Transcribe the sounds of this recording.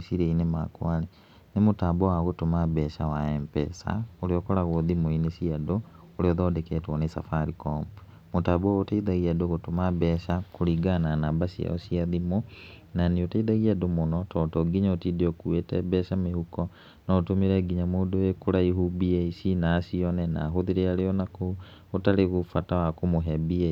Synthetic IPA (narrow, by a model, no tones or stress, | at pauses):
siɾeinema̰kwane | nemotaːbɔwaɣotomabɛʃawaɛmpɛ̰sa̰oɾeɔkɔɾaɣoðimoinesiado | oɾeɔðɔːdekɛtwɔnesafaɾikɔmp | motaːbɔɣotaiðaɣiadoɣotomabɛʃakoɾiɡananabasia̰o̰siaðimo | naneotaiðaɣiadomonɔtɔtɔɡiɲaotideokuetɛbɛʃamehukɔ | nɔːtomeɾɛɡiɲamoːndoekoɾaiɦubieisinaːsiɔnɛna̰ːɦoðiɾeaɾeɔnako | otaɾeɣofatawakomoɦɛbie